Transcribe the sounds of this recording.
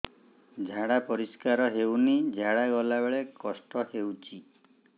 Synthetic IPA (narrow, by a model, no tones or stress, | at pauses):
d͡ʒʱaɽapɔɾiskaɾɔɦewnid͡ʒʱaɽaɡɔlabeɭekɔsʈɔhewt͡ʃʰi